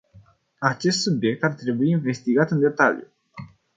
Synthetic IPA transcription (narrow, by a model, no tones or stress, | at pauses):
at͡ʃe̞st̪subje̞k̚t̪art̪ɾe̞buiːnve̞st̪iɡat̪ɨnd̪e̞t̪a̰ljṵ